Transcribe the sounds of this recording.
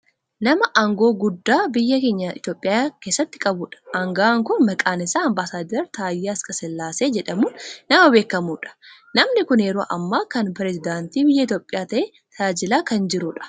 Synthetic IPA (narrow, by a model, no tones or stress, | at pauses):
nɐmɐʔaŋɡo̞ːɡʊd̪ːaːbɪjːɐkeːɲːɐɪt̪jo̞ːpʼːɪjaːkeːsːɐt̪ːɪkʼɐbuːᶑɐ̥ɐŋɡaːŋkʊnmɐkʼaːnɪsaːɐmbaːsaːd̪ɐɾt̪aːjːaɐskʼɐsɛlːaːseːd͡ʒɛᶑɐmuːnːɐmɐbe̞ːkːɐmuːᶑɐ̥ | nɐmnɪkʊnjɛɾoːʔɐmːaːkɐnpɾɛzɪd̪aːnt̪iːbɪjːɐɪt̪joːpʼɪjaːt̪ɐʔeː | t̪aːd͡ʒɪlaːkɐnd͡ʒɪɾuːᶑɐ̥